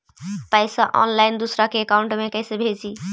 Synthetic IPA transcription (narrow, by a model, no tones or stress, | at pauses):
pajsãʔɔ̰nlajnd̪usɾakeːkauɳʈmekəjsebʱed͡ʒi